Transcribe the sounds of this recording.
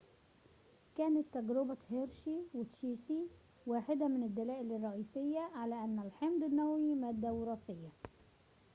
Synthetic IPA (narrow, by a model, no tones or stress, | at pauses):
kæːnɪt̪ːæɡɾɪbat̪heɾʃiwɪt̪ʃiːsi | waːħɪd̪æmɪnɪd̪ːælæːʔɪlɪrˤːɑʔiːsɪjːæʕalæːʔænːælħemd̪ɪnːæwimæːd̪ːæwɾˤɑːsɪjːa